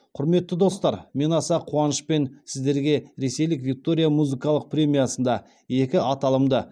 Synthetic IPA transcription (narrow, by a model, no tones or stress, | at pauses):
qʰʊɾme̞t̪ːɪd̪o̞st̪ɑɾme̞nɑsɑqʰuɑnəʃpe̞nsɪzd̪e̞ɾɡʲe̞ɾe̞se̞jlɪkvʲik̚t̪o̞ɾʲijamuzɨkɑlˠəq̚pɾʲe̞mʲijasənd̪ɑ | je̞kʲɪɑt̪ɑlˠəmd̪ə